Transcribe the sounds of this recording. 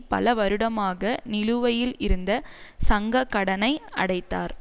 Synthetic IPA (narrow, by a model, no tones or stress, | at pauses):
pɐ̰lɐʋɐɾɯɽɐmaːɣɐnɪlɯʋɐjɪlɪɾɯnd̪ɐsɐŋɡɐkːɐɽɐnɐɪɐ̰ɽɐɪt̪ːaːɾ